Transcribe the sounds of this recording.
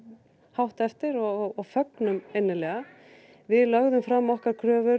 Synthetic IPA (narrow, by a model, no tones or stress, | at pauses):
hawht̪ɛft̪ɪɾɔɣɔɣfœknʏmejnːɪlɛːɣa | vɪðlœɣðʏmfɾamːɔhkaɾkʰɾœːvʏɾ